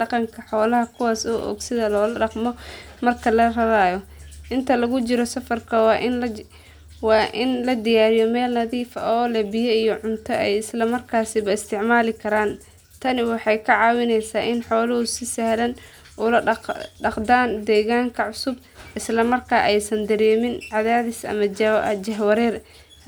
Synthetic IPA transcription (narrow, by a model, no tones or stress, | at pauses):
ɖɑqɑŋkʰɐħɔːlɐɦɐkʰʊwaːsɔːʔɔ̰ːɡsɪðɐlɔːlɐɖɑqmɔ | mɐrkʰɐlɐrɐβaːjɔʔɪnt̪ʰɐlɐɣʊt͡ʃɪɾɔsɐfɐrkʰɐwɑːʔɪnl | wɑːʔɪnlɐd̪ɪjaːɾɪjɔmɛːlnɐðiːfɐʔɔːlɛbɪjɛijɔʕʊnt̪ʰɔɛjɪslɐmɐrkʰaːsɪβɐɪst̪ʰɪʕmaːlɪkʰɐɾaːn | t̪ʰɐnɪwɑħɑjkʰɐʕɑːwɪnɛjsaːʔɪnħɔːlɐhʊsɪsɛhlɐn | ʔulɐɖɐqd̪aːnd̪ɛːɣaːŋkʰɐʕʊsʊb | ʔɪslɐmɐrkʰaːʔɛjsɐnd̪ɐɾɛːmɪnʕɑðaːðɪsɐ̰mɐ̰d͡ʒɐɦwɐɾɛːr